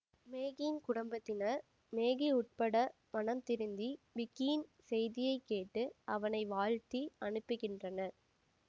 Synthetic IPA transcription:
meːɣinkʊɽɐmbɐt̪ːɪnɐɾ | meːɣiʊʈ̚pɐɽɐ | mɐnɐmt̪ɪɾɯnd̪iʋɪkːinsɛjðɪjɐɪkːeːʈːɯʔɐʋɐnɐɪʋaːɻt̪iɐɳɯpːɯɣɪndrɐnɐ

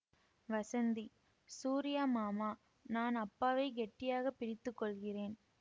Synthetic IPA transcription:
ʋɐsɐnd̪i | suːɾɪjaːmaːmaː | naːnɐpːaːʋɐɪɡɛʈːɪjaːɣɐpːɪɾɪt̪ːɯkːɔɭɣɪreːn

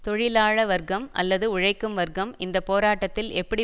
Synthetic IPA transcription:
t̪ɔɻɪlaːɻɐʋɐɾɡɐmʔɐ̰lːɐðɯʊɻɐɪkːɯmʋɐɾɡɐmɪnd̪ɐpoːɾaːʈːɐt̪ːɪlɛpːɐɽi

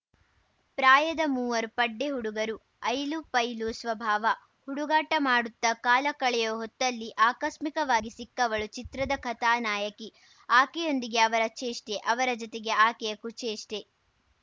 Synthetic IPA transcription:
pɾaːjɐd̪ɐmuːʋɐɾpɐɖːeɦuɽuɡɐɾu | ɐjlupɐjlusʋɐbʱaːʋɐ | huɽuɡaːʈɐmaːɽut̪ːɐkaːlɐkɐɭɛjoːɦɔt̪ːɐlːiʔaːkɐʃmikɐʋaːɡisikːɐʋɐɭut͡ʃit̪ɾɐd̪ɐkʰɐt̪aːnaːjɐki | aːkɛjo̞nd̪iɡe̞ɐʋɐɾɐt͡ʃeːʂʈeʔɐʋɐɾɐd͡ʒɔt̪eɡe̞aːkɛjɐkut͡ʃeːʂʈe

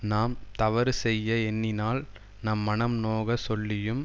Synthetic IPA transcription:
naːmt̪ɐʋɐɾsɛjːɐɛnːɪnaːl | nɐmːɐnɐmnoːɣɐsɔlːɪjɯm

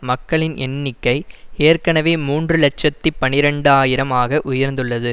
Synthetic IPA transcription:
mɐkːɐɭɪnɛnːɪkːɐɪeːrkɐɳɐʋeːmuːndrɯlɛt͡ʃːɐt̪ːipːɐnɪɾɐɳɖaːjɪɾɐmaːɣɐʔʊjɐɾnd̪ɯɭːɐðɯ

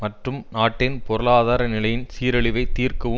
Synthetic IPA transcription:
mɐʈrɯmnaːʈːɪnpɔɾɯlaːðaːɾɐnɪlɐjɪnsiːɾɐɭɪʋɐɪt̪ːiːrkɐʋɯ

